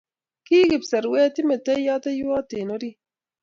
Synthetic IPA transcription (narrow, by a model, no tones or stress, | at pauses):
kiːɡipsɐɾwet̪imet̪ɐjɑːt̪ɐjuwaːt̪eːnoɾi